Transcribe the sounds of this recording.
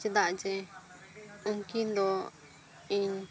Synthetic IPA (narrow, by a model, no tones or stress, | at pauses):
t͡ʃɛd̪aʔd͡ʒɛ | əŋkind̪ɔ | iɲ